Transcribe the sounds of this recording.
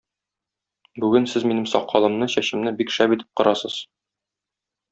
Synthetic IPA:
bʉɡɘnsɘzminɘmsɒqːɑlˠɤ̆mnɤɕæɕɘ̆mnɘbikʃæbit̪ɘ̥p̚qŏɾɑsɤz̥

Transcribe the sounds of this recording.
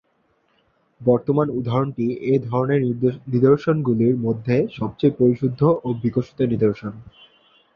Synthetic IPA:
bɔɾt̪omanud̪ʱaɾoɳʈied̪ʱɔɾoneɾnid̪oɾʃonɡuliɾmod̪ʱːeʃɔb̚t͡ɕejpɾoɾiʃud̪ʱːoʔobikoʃi̥t̪onid̪oɾʃon

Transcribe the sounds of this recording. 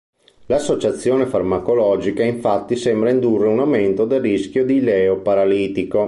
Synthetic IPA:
lasːot͡ʃat̪sːjoːnefarmakolɔːd͡ʒikaiɱfat̪ːisɛmbɾaind̪urːeunawment̪od̪elːisk̟jod̪ilɛːopaɾaliːt̪iko

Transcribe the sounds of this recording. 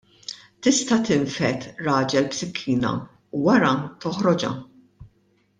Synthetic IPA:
t̪ɪst̪ɐt̪ɪɱfɛt̪ɾɐːd͡ʒɛlpsɪkʰːiːnɐ̰ | uwɐɾɐt̪ɔħɾɔd͡ʒɐ̰

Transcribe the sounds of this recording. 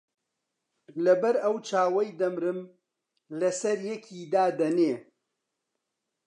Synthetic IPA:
lɐbɐɾɐwt͡ʃaːwɐjd̪ɐmɾɨm | lɐsɐɾjɛkʰiːd̪aːd̪ɐneː

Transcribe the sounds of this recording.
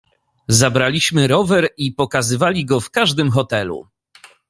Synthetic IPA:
zabɾalʲiɕmɘɾɔvɛɾipɔkazɘvalʲiɡɔfkaʐd̪ɘmxɔt̪ɛlṵ

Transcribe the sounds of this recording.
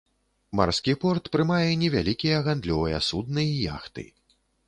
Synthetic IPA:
ma̰rskʲipɔrt̪pɾɨmajɛnʲɛvʲalʲikʲijɐɣand̪lʲɔvɐjɐ̰sud̪̚nɨija̰xt̪ɨ̰

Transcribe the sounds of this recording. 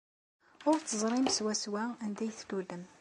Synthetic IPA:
ʊɾt͡sːəzˤɾˤimswæswæænd̪æjθlulːəm

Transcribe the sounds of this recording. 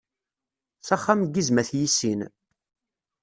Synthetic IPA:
θæχːamɡːizmæθjisin

